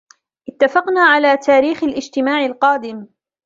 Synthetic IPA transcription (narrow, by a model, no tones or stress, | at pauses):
ʔɪt̪ːafɑqnaːʕalaːt̪ʰaːɾiːxalʔɪd͡ʒt̪ɪmaːʕalqɑːd̪ɪm